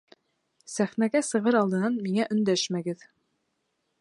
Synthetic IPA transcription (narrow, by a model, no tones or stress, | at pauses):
sæχnæɡæsɤ̆ʁɤɾɑlˠd̪ɤ̆nɑnmiŋæʔɵ̆nd̪æʃmæɡɘð